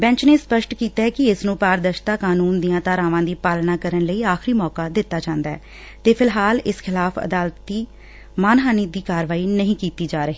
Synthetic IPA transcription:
bɛ̃ɲt͡ʃneːspəʃʈkiːt̪aːɛkɪɪsnũːpaːɾd̪əʃt̪aːkaːnuːnd̪ijãːt̪aːɾãːʋãːd̪iːpaːlnaːkəɾənləiːaːxɪɾiːmɔːkaːd̪ɪt̪ːaːd͡ʒãːnd̪aɛː | t̪eːpʰɪlɦaːlɪskʰɪlaːpʰə̰d̪aːlt̪ːiː | maːnɦaːniːd̪iːkaːɾʋaːiːnəɦĩːkiːt̪iːd͡ʒaːɾəɦiː

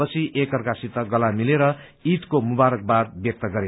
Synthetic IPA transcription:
ʌt͡sʰiʔekʌrkasit̪ʌɡʌlamileɾʌ | it̪komubaɾʌk̚bad̪bjʌk̚t̪ʌɡʌɾe

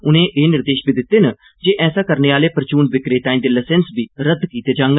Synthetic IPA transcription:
ʊnẽːʔeːnɪɾd̪eːʃbiːd̪ɪt̪ːeːnə | d͡ʒeːʔɛːsaːkəɾneːaːleːpəɾət͡ʃuːnbɪkɾeːt̪aːĩːnd̪eːləsɛnsbiːɾəd̪kiːt̪eːd͡ʒãːŋɡ

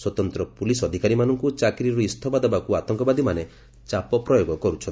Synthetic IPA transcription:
swɔt̪ɔnt̪ɾɔpulisɔd̪ʱikaɾimanɔŋkut͡ʃakɾiɾuist̪ʰɔbad̪ɔbakuat̪ɔŋkɔbad̪ʱimane | t͡ʃapɔpɾɔjoɡɔkɔɾut͡ʃʰɔn

